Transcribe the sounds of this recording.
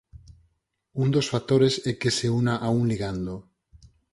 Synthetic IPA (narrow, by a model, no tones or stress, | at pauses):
und̪osfat̪oɾesekeseunaʔauŋliɣ̞and̪o